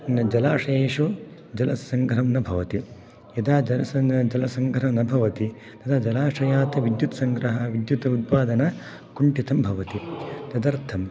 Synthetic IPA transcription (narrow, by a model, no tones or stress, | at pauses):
nɐd͡ʒɐlaːʂɐeːʂu | d͡ʒɐlɐsɐŋɡʱɾɐmnɐbʱɐʋɐt̪i | jɐd̪aːd͡ʒɐlɐsɐd͡ʒɐlɐsɐŋɡʱɾɐɐmnɐbʱɐʋɐt̪i | t̪ɐt̪ʰad͡ʒɐlaːʂɐjaːt̪ɐʋid̪jut̪sɐŋɡɾɐɦɐʋid̪jut̪ɐut̪̚paːd̪ɐnɐ | kuɳʈit̪ɐmbʱɐʋɐt̪it̪ɐd̪ɐɾt̪ʰɐm